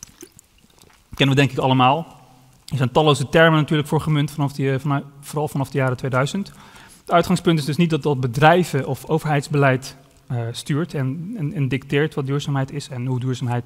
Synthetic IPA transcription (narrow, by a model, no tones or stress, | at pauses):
kɛnəʋədɛŋkɪkɑləmaːlˠ | ɪsəntɑlːowzətɛɹmnatyːɹləkfʊːɹχəmɵnt | frɑlˠfɑnɑfdəjaːɾətʋejdœɥzənt | ətœɥtχɑŋspɵntɪzdɵsnit̚dɑt̚dɑd̚bədrɛjvəʔɔfowvəɹɦɛjtzbəlɛjt | styːɹtɛnnɪndɪktɪːɹtʋɑt̚dyːɹzaːmɦɛjtɪsɛnɦudyːɹzaːmɦɛjt